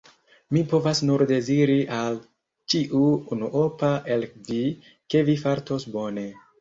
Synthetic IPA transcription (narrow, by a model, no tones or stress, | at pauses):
mipo̞vasnuɾde̞ziɾiʔal | t͡ʃiʔuunuʔopaʔelkdi | ke̞vifaɾto̞sbo̞ne̞